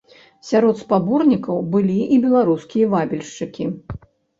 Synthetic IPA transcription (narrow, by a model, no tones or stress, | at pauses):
sʲaɾɔt̪spabɔrnʲikɐwbɨlʲiʔibʲɛlˠaɾuskʲijɐvabʲɛlʲʂt͡ʂɨkʲi